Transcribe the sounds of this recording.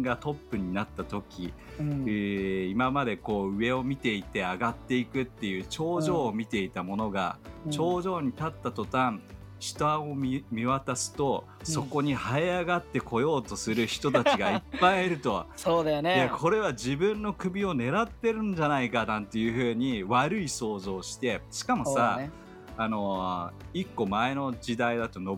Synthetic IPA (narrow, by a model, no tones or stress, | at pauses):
ɡat̪o̞pːɯ̟ɲ̟inat̪ːat̪o̞kʲi | imamad̪e̞ko̞ːɯ̟e̞o̞mʲit̪e̞it̪e̞aɡat̪ːe̞ikɯ̟t̪ːe̞jɯ̟ːt͡ɕo̞ːʑo̞ːmʲit̪e̞it̪amo̞no̞ɡa̰t͡ɕo̞ːʑo̞ːɲ̟it̪at̪ːat̪o̞t̪ãɴ | ɕi̥t̪aomʲiβat̪asɨ̥t̪o̞ | so̞ko̞ɲ̟ihaeaɡat̪ːe̞kʰo̞jo̞ːt̪o̞sɨɾɯ̟çi̥t̪o̞t̪at͡ɕiɡaipːaieɾɯ̟t̪o̞soːd̪ajonejakʰo̞ɾe̞βad͡ʑibɯ̟̃nːo̞kɯ̟bʲio̞ne̞ɾat̪ːe̞ɾɯ̟̃ɲd͡ʑanaikanãnt̪e̞jɯ̟ɸɯ̟ːɲ̟iβaɾɯ̟iso̞ːzo̞ːɕi̥t̪e̞ɕi̥kamo̞ssaː | no̞ | ikːo̞mae̞no̞d͡ʑid̪aid̪at̪o̞no